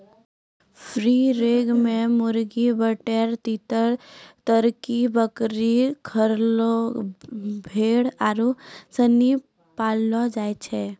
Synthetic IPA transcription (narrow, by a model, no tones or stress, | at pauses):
pʰɾiɾeːɡmẽmʊɾɡibəʈeɾt̪it̪əɾt̪əɾkibəkɾikʰəɾlo | bʱeːɽaɾusəni | paːlːɔd͡ʒaːjt͡ʃʰɛ